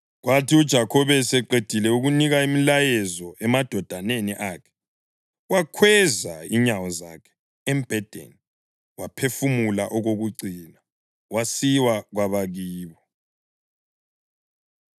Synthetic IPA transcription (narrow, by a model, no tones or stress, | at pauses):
ɣwatʰiud̥ʒ̥ʱakʰɔβɛsɛǃed̥ʱilɛuɣuniɣaimilajɛzɔɛmad̥ʱɔd̥ʱaneniʔaːkʰɛ̥ | wakʰwɛzaiɲawɔzakʰɛ̥ | ɛmb̥ʱɛd̥ʱḛni | wapʰefumulaʔɔɣoɣuǀina | wasiwaɣwaβaɣiːβɔ